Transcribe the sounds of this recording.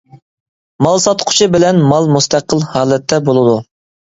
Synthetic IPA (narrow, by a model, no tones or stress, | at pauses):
mɑlˠsɑt̪qʰʊ̥t͡ʃʰɨbɪlɛnmɑlˠmust̪ʰæqːəlˠhɑːlˠɛt̪ʰːɛbolˠɨd̪u